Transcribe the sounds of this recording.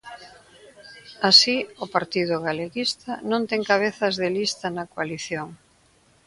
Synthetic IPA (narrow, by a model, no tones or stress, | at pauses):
asiʊpaɾt̪ið̞ʊɣaleɣist̪ɐnõnt̪ɛŋkaβ̞eθɐzðelist̪ɐnɐkwaliθjoŋ